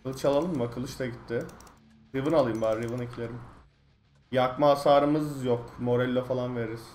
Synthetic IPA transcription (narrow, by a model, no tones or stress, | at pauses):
lˠɯt͡ʃalˠalˠɯmvakʰɯlˠɯʃt̪ʰaɟit̪ʰːɪ | ɾivɯnalˠɯjɯmbaɾivɯnicʰilʲe̞ɾim | jakmaːsaːɾɯmɯzjokmo̞ɾɛlʲːo̞falˠanve̞ɾiɾiz̥